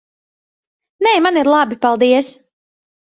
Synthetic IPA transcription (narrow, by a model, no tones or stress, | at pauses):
nɛːmaniɾlˠabipalˠd̪iɛs